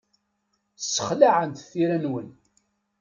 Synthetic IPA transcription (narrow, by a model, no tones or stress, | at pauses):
sːə̥χlaʕənt̪θiɾænwən